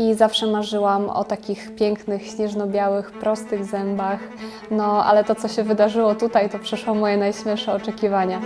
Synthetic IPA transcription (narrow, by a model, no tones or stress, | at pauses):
izafʂɛmaʐɘwamɔ̰t̪akʲixpʲjɛŋknɘxɕɲɛʐnɔbʲjawɘxpɾɔst̪ɘɣzɛmbax | nɔʔa̰lɛt̪ɔt̪sɔɕɛvɘd̪aʐɘwɔt̪ut̪ajt̪ɔpʂɛʂwɔmɔjɛnajɕmʲjɛʂɛɔt͡ʂɛkʲivaɲa